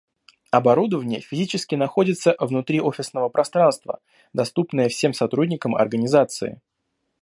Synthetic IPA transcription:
ɐbɐɾud̪əvənʲɪjə̰fʲɪzʲit͡ɕɪskʲɪnɐxo̞dʲɪt̪səvnʊt̪ɾʲio̞fʲɪsnəvəpɾɐst̪ɾanst̪və̰ | d̪ɐst̪upnəjəfsʲe̞msɐt̪ɾudʲnʲɪkəmɐ̰rɡənʲɪzat̪sɨɪ̰

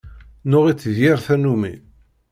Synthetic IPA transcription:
nʊʁit͡sːðjɪɾθænumḭ

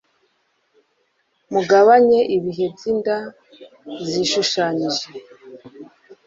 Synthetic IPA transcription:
muɡaβaɲe̞ʔiβiɦe̞bjinda | ziʃuʃaːɲiʒe̞

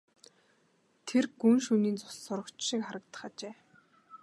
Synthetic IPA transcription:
t̪ʰerɡunʃuniːnt͡sʊ̥ɮsʊɾə̆kt͡ɕʃikχaɾə̆kt̪ə̥̆χat͡ɕeː

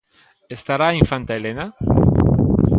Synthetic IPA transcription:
est̪aɾaiɱfant̪aelena

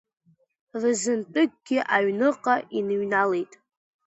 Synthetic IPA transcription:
rɨzɨntʼɨɡ̚ɡʲɪʔaɥnɨqʼaʔinɨɥnalejtʼ

